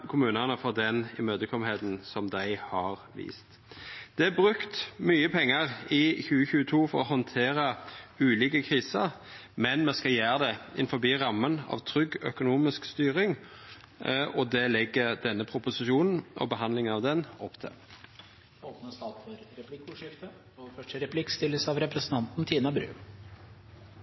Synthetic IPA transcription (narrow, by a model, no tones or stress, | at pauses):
kʰʊmʉːnənəfɔʁd̪ɛnɪmøːd̪əkʰɔmheːd̪n̩sɔmd̪æɪhɑɾʋḭːst̪ | d̪̥ɛæbʁʉkt̪myːəpʰɛŋːəɾɪçʉːəçʉːət̪ʰuːfɔɾɔɦɔnt̪ʰeːɾəʉːliːkəkʰʁiːsəɾmɛnmɛskɑljæːɾəd̪ɛɪnfɔbiːɾɑmːənɑ̰ʋt̪ʰɾʏɡːœ̰kʊnuːmɪskst̪yːɾɪŋ | ɔd̪ɛlɛɡːəd̪ɛnːəpʰʁʊpʊsɪʃuːnn̩ʔɔ̰bəɦɑnd̪lɪŋənɑʋd̪ɛnɔpːt̪ʰɪ̰l | oːpnəst̪ɑːt̪fɔɾɾɛpʰlɪkːʊʂɪft̪ə | fœʂʈəɾɛpʰlɪkst̪ɪlːəsɑʋɾɛpɾɛsn̩t̪ʰɑnt̪n̩t̪ʰiːnɑbɾʉ̰ː